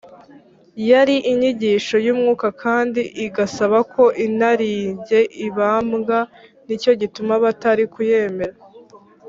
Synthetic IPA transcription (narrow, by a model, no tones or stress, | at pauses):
jaɾiʔiɲiɟiːʃo̞juːmŋuːkakʰaːndiʔiɡasaβakʰo̞ʔinaɾiːɲɟe̞ʔiβaːmɡanico̞ɟitumaβataɾikuje̞ːme̞ɾa